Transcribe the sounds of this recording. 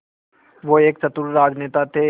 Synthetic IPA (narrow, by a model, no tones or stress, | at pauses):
ʋoeːksɐt̪uɾɾaːd͡ʒneːt̪at̪ʰe